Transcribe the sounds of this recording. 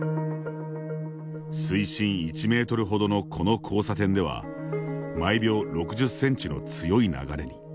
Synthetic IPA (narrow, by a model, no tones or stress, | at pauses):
sɨiɕĩɰ̃it͡ɕime̞ːt̪o̞ɾɯ̟ɦo̞d̪o̞no̞kʰo̞no̞kʰo̞ːsat̪ẽ̞nd̪e̞βa̰ | maibʲjo̞ːɾo̞kɯ̟ʑɨsːẽ̞ɲ̟t͡ɕino̞̰t͡sɨjo̞ina̰ɡaɾe̞ɲ̟i